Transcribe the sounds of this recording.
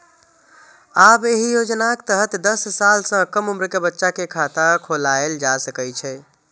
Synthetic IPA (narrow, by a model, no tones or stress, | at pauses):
abeɦijod͡ʒnakt̪əɦət̪d̪əsːalsə̃kəmumɾkebətːʃakekʰat̪akʰolaeld͡ʒasəkət͡ʃʰɛ